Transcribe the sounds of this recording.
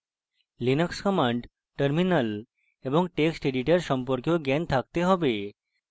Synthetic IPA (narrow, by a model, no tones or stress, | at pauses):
linəkskəmãɳɖ | ʈəɾminəl | eʋəŋɡ̚ʈeksʈeɖiʈeɾsəmpəɾkjoɡɛnt̪ʰak̚t̪eɦɔʋe